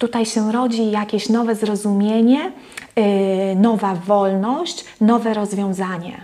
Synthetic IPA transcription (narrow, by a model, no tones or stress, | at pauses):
t̪ut̪ajɕɛɾɔd͡ʑijakʲeɕnɔvɛzɾɔzumʲjeɲɛ | nɔvavɔlnɔɕt͡ɕ | nɔvɛɾɔzvʲjɔ̃w̃zaɲɛ̰